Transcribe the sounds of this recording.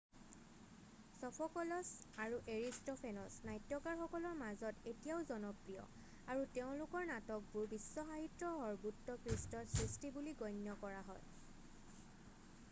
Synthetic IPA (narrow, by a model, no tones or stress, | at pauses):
sɔpʰɔkɔlɔsaɹuʔeɹistɔpʰenɔsnajtjɔkaɹxɔkɔlɔɹmazɔtetijaʊzɔnɔpɹijɔ̰ | aɹuteʊ̃lʊkɔɹnatɔk̚buɹbisːɔxaɦitɹɔɦɔɹbutːɔkɹistɔtsɹistibuliɡɔjnjɔkɔɹaɦɔj